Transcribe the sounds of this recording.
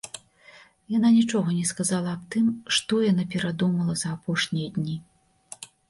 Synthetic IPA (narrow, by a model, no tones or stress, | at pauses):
jananʲit͡ʂɔɣɐnʲɛskazalˠɐːp̚t̪ɨmʂt̪ɔjanapʲɛɾad̪umɐlˠɐzɐːpɔʂnʲijɐd̪ʲnʲi